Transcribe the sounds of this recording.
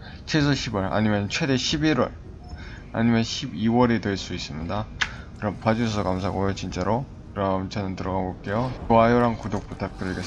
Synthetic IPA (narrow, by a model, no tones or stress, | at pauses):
t͡ɕʰesʰʌɕʰibwʌɾa̰ɲimjʌnt͡ɕʰwe̞de̞ɕʰibiɾwʌɭ | a̰ɲimjʌnɕʰibiwʌɾedweɭs͈uis͈ɯmɲidakɯɾʌmpwad͡ʑusʰʌsʰʌkamsʰaɡojot͡ɕint͡ɕ͈aɾo | kɯɾʌmt͡ɕʌnɯntɯɾʌɡaɡoɭk͈e̞joajoɾankudok̚p͈otʰak̚k͈ɯɾɯɭɡe